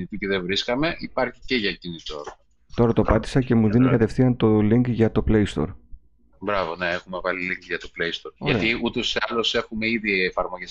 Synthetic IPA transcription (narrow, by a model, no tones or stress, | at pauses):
it̪it̪iðevɾiskɐme̞ʔipɐɾçi̥ce̞ʝɐcinit̪o̞̰ɾɐ | t̪o̞ɾɐt̪opɐt̪i̥sɐce̞muðinikɐt̪e̞fθiɐnt̪oliŋkʝɐt̪o̞plejst̪o̞̰ɾ | bɾɐvo̞neexume̞vɐliliŋkʝɐt̪oplejst̪o̞ɾoɐt̪iut̪oseɐlose̞xumeiðiefɐɾmo̞ʝes